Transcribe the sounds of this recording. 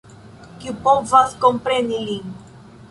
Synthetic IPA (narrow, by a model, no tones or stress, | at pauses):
kipɔvaskompɾeniliŋ